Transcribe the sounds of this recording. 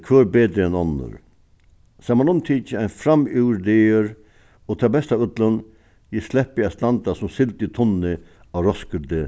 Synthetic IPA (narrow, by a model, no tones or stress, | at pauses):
kʰʋøːɾbeːd̪ɾəɛnɔnːə̰ɾ | saːmanʊmt̪ʰiːt͡ʃəaɪnfɾamʉːɾd̪eːəɾ | ɔːt̪ʰabɛst̪aʋʏt̪lən | jɪslɛhpɪast̪and̪asʊmsɪlt̪ɪt̪ʰʊnːɪ | aɾɔskəd̪ɪ